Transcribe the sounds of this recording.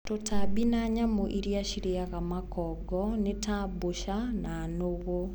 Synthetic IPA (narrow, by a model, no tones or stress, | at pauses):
totʰabinaɲamoʔiɾjaɕiɾeaɣamakɔɡɔnetʰaboʃananoɣo